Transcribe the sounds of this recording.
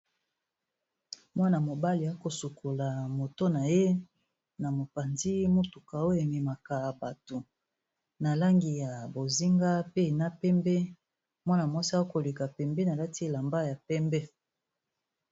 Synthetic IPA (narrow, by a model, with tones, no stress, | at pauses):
mwa˦na˨mo˨ba˦li˨ja˦ko˨su˨ko˨la˨mo˨to˦na˨je˦ | na˨mo˨pa˨ndi˦mo˦tu˨ka˨o˦e˨me˨ma˨ka˨ba˨to˨ | na˨la˦ŋɡi˨ja˨bo˨zi˦ŋɡa˦pe˦˨na˦pɛ˦mbɛ˦ | mwa˦na˨mwa˦si˦a˦ko˨le˨ka˨pɛ˨mbe˦na˨la˦ti˦˨la˨mba˦ja˨pɛ˦mbɛ˦